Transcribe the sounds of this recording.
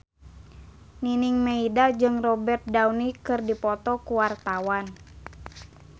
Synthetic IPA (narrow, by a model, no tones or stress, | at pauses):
niniŋmeidad͡ʒɨŋrɔbɛrt̪̚dawnikɨrdipɔt̪ɔkuwart̪awan